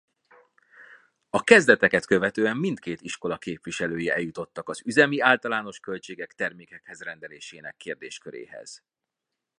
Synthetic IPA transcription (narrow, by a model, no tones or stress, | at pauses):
ɒkɛzd̪ɛt̪ɛkɛt̪kø̞vɛt̪øːɛmːint̪keːt̪iʃko̞lɒkeːpʋiʃɛløːjiɛ̰jut̪o̞t̪ːɒkɒzyzɛmiaːlt̪ɒlaːno̞ʃkølt͡ʃeːɡɛkt̪ɛrmeːkɛkhɛzrɛnd̪ɛleːʃeːnɛkːeːrd̪eːʃkøɾḛːɦɛ̰z̥